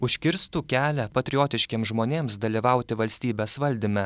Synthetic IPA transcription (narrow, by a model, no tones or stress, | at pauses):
ʊʃʲkʲɪɾst̪uːkʲæːlʲɛpɐt̪ʲɾʲɪjoːt̪ʲɪʃʲkʲeːmsʒmoːnʲeːmsd̪ɐlʲiʋɑˑʊt̪ʲɪʋɐlʲsʲt̪ʲiːbʲeːsʋɐlʲd̪ʲɪmʲɛ